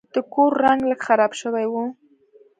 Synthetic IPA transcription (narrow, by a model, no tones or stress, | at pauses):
d̪̥əkoɾːaŋɡləɡxaɾɑbʃəwajwu